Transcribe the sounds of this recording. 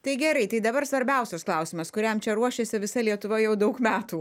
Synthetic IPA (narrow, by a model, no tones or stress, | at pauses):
t̪ɐɪɡʲɛɾɐɪt̪ɐɪd̪ɐbɐɾsʋɐɾʲbʲɛˑʊsʲɛsklˠɐʊsʲɪmɐskʊɾʲɛmt͡ʃʲɛɾuɔʃʲesʲɪʋʲɪsɐlʲiɛt̪ʊʋɐjɛʊd̪ɐʊkmʲæːt̪uː